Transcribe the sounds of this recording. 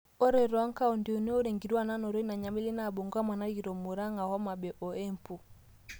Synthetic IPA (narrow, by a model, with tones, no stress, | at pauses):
o˦ɾe˨ɾa˦ŋ˦ka˦o˨ndi˨u˨ne˦o˦ɾe˨ŋɡi˨ɾwa˦˨na˦no˨ɾe˦i˦na˨ɲa˨me˦le˦na˦˨bo˨ŋɡwa˦ma˨na˦ɡi˨ɾɔ˨mo˨ɾa˦ŋa˨hɔ˦ma˨bɛ˨ʔɔ˨e˦m˨pu˨